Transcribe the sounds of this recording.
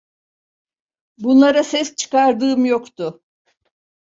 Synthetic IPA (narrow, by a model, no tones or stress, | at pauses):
bunlˠaɾasɛst͡ʃʰɯ̥kaɾd̪ɯːmjokt̪ʰʊ